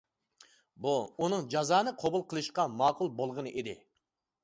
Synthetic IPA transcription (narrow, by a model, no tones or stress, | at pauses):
buunɨŋd͡ʒɑzɑːnɨqʰobulˠqʰəlˠɨʃqɑmɑːqʊlˠbolˠʁənɨʔed̪ɪ̰